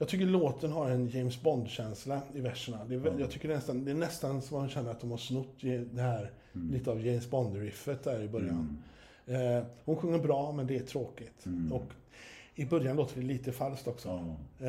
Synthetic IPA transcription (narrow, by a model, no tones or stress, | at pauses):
jɑɡt̪ʰʏkːəɭoːt̪ənɦaɾɛnjɛjmsbɔnd̪ɕɛnslaɪvæʂəɳad̪ɛːvjɑːt̪ʰʏkːəɖɛnɛst̪and̪ɛːɳɛst̪ansɔmhʊnɕɛnːəɾat̪̚d̪ɔmhaʂnɵt̪ːɛd̪ɛhæːɾ | liːt̪əɑvjɛɪmsbɔnd̪ɾɪfːət̪̚d̪æːɾɪbœɾja̰n | hʊnɧɵŋːəɾbɾɑːmɛnd̪ɛæʈʰɾoːkɪt̪ɔk | ɪbœɾjanloːt̪əɖɛliːt̪əfalskt̪ɔksɔ